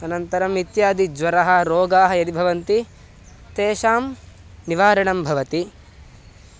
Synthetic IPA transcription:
ɐnɐnt̪ɐɾɐmit̪jaːd̪id͡ʒʋɐɾɐɦɐɾoːɡaːɦɐjɐd̪ibʱɐʋɐnt̪i | t̪eːʃaːm | niʋaːɾɐɳɐmbʱɐʋɐt̪i

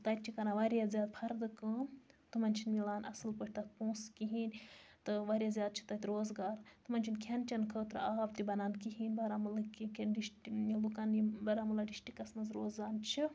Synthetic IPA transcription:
t̪ɐt̪̚ʲt͡ʃʰikɐnaʋɐɾjazjaːd̪̚pʰɐɾd̪ɨkɨnt̪ɨmɐnʲt͡ʃʰinmilaːnɐ̰sɨlpəʈʲʰt̪ɐt̪̚pũːskiɦiːnʲt̪ɨʋɐɾʲjazʲjaːd̪̚t͡ʃʰi̥t̪ɐt̪ʲɾoːzɡaːɾt̪ɨmɐnʲt͡ʃʰinkʲʰent͡ʃʲɐnkʰəːt̪ɾaːbt̪ibɐnaːnkiɦiːnʲbɐɾamɨlɐkikʰʲenɖiʃʈiilukɐnibɐɾamulɐɖiʃʈikɐsmɐzɾoːzaːnt͡ʃʰi

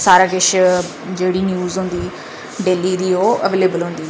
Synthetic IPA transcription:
saːɾaːkɪʃ | d͡ʒeːɽiːnjuːzɦõnd̪iː | ɖeːliːɾiːoːəʋeːleːbəlɦõːnd̪iː

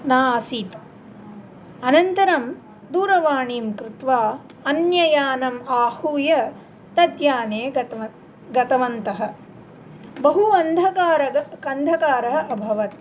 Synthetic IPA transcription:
naːsiːt̪ | ɐnɐnt̪ɐɾɐm | d̪uːɾɐʋaːɳiːmkɾɪt̪ʋaː | ɐnjɐjaːnɐmaːhuːjɐ | t̪ɐd̪jaːneːɐ | ɡɐt̪ɐʋɐnt̪ɐɦɐ̆ | bɐɦuɐnd̪ʱɐkaːɾɐɐkɐnd̪ʱɐkaːɾɐɦɐɐbʱɐʋɐt̪

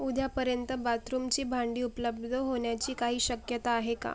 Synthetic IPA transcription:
ud̪ʱjapəɾjənt̪əbat̪ɾumt͡ɕiːbʱaɳɖiːupləbd̪ʱəɦoɳjat͡ɕiːkaɦiːɕəkjət̪aːɦeka̰

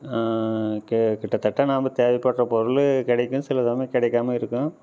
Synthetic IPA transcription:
kkɪʈːɐt̪ːɐʈːɐnaːmbɐt̪eːʋɐpːɐʈːrɐpɔɾɯlkɪɽɐɪkːɯ̃sɪlɐt̪ɐːmɐkɪɽɐɪkːaːmɐɪɾɯkːʊ̃

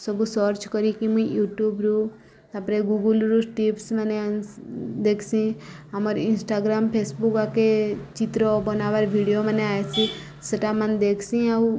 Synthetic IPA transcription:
sɔbusɔɾt͡ʃkɔɾikimũijuʈjuːbɾu | t̪apɾeɡuɡulɾusʈipsməne | d̪eːkʰsĩ | ɦaməɾɪnsʈaːɡɾaːmpʰeːsbukaket͡ʃit̪ɾobɔnaʋaɾbʱiɽijoməneaːjsi | səʈamand̪eːkʰsĩaw

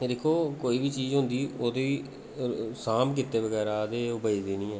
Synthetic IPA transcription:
d̪eːkʰoːkoːiːbiːt͡ʃiːzɦʊ̃nd̪iːoːt̪e | saːmk̬ɪt̪ːeːʋəɡɛːɾaːd̪eːʊbəid̪iːnĩːɛː

